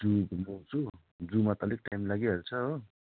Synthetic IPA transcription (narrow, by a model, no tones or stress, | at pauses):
d͡zubmowt͡sʰu | d͡zumat̪ʌlik̚ʈajmlaɡiɦʌɾt͡sʰʌɦo